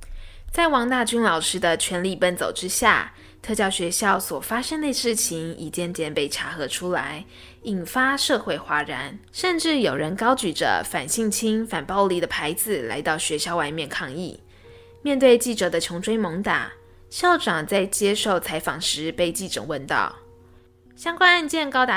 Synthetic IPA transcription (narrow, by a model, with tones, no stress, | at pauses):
t͡sa˥˩ɪwɑ˧˥ŋt̪a˥˩t͡ɕy˥nlɑ˨˩ʊʂɻ̩˥d̪ə˧t͡ɕʰɥɛ˧˥nli˨˩pə˥˩nt͡so̰˨˩ʊʈ͡ʂɻ̩˥ɕja̰˥˩ | t̪ʰɤ˥˧t͡ɕjɑ˥˩ʊɕɥɛ˧˥ɕjɑ˥˩ʊswɔ˨˩fa˥ʂə˥ŋne˥˧ɪʂɻ̩˥˩t͡ɕʰi˧˥ŋḭ˨˩t͡ɕjɛ˥˩nt̪jɛ˥˩npe˥˩ɪʈ͡ʂʰa˧˥xɤ˧˥ʈ͡ʂʰu˥la̰˧˥ɪ | i˨˩nfa˥ʂɤ˥˧xwe˥˩ɪxwa˧˥ɻa̰˧˥n | ʂə˥˧nʈ͡ʂɻ̩˥˩jo˨˩ʊɻə˧˥nkɑ˥ʊt͡ɕy˨˩ʈ͡ʂə̰˩fa̰˨˩nɕi˥˧ŋt͡ɕʰi˥ŋfa˨˩npɑ˥˩ʊli˧˥d̪ə˨pʰa˧˥ɪd͡zɹ̩˨la̰˧˥ɪt̪ɑ˥˩ʊɕɥɛ˧˥ɕjɑ˥ʊwa˧˥ɪmjɛ˥˧nkʰɑ˥˧ŋḭ˥˩ | mjɛ˥˧nt̪̬we˥˧ɪt͡ɕi˥˩ʈ͡ʂɤ˨˩d̪ə˦t͡ɕʰʊ˧˥ŋʈ͡ʂʰwe˥ɪmo˧˥ŋt̪a̰˨˩ | ɕjɑ˥˩ʊʈ͡ʂɑ˨˩ŋt͡sa˥˩ɪt͡ɕjɛ˥ʂo˥˩ʊt͡sʰa˧˥ɪfɑ˨˩ŋʂɻ̩˧˥pe˥˧ɪt͡ɕi˥˩ʈ͡ʂɤ̰˨˩wə˥˧nt̪ɑ̰˥˩ʊ | ɕjɑ˥ŋkwa˥na˥˧nt͡ɕjɛ˥˩nkɑ˥ʊt̪a˧